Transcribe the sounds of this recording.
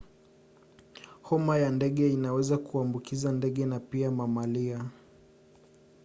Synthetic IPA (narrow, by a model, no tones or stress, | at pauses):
hɔmajandɛɠɛinawɛzakuambukizandɛɠɛnapiamamalia